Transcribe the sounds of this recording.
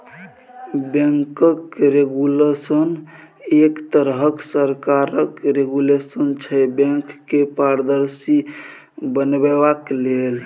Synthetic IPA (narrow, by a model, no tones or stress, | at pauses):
bẽŋkəkɾeɡulesən | ekt̪əɾɦəksəɾkaɾəkɾeɡulesənt͡ʃʰɛbɛ̃ŋkːepaɾd̪əɾsi | bənbebaklel